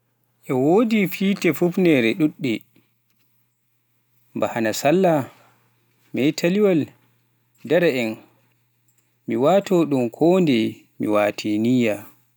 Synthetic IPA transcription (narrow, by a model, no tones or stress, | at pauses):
ʔɛwodifiːtɛfufnɛɾɛɗuɗːɛ | mbahanasalːa | mɛjtʰaliwal | dɛɾaɛn | miwaːtɔɗumkʰɔndɛ | miwaːtʰenija